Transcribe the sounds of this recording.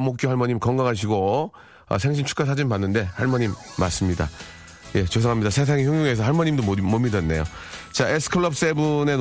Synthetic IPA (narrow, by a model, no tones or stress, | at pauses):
mok͈johaɭmʌɲimkʌŋɡaŋɦaɕ̬ʰiɡo | ʌ̰sʰeŋɕ̬ʰint͡ɕʰu̥k͈asʰad͡ʑinmpanːɯnde̞haɭmʌɲimːa̰s͈ɯmɲida̰ | je̞t͡ɕos̬ʰʌŋɦamɲidasʰe̞s̬ʰaŋiçjʌŋjoŋe̞s̬ʰʌhaɭmʌɲimdomomidenːe̞̰jo̰t͡ɕaʔesʰɯ̥kʰɯɭːʌp̚s͈e̞bunen